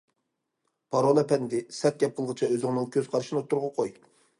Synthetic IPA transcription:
pʰɑɾolˠɛpɛnd̪ɪsɛt̪̚ɡʲɛp̚qʰəlˠʁɨt͡ʃʰɑøzɪŋnɨ̃ŋkʲʰøz̥qʰɑɾʃinɨot̪ʰːuɾʁɑqʰoj

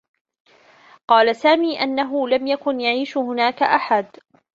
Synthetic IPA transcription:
qɑːlasaːmiːʔanːaɦʊlamjakʊnjaʕiːʃhʊnaːkaʔaħad̪

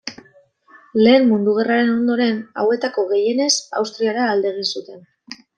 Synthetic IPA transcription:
le̞ːmmund̪uɣ̞eraɾe̞no̞nd̪o̞ɾe̞na̰we̞t̪ako̞ɣe̞je̞ne̞sa̰wst̪ɾiaɾaːld̪e̞ɣ̞insut̪e̞n

